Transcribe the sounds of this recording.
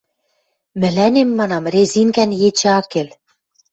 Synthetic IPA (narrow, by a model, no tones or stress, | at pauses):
mɘ̆lænemːɑnɑmrezinkænjet͡ɕ̆ɑkel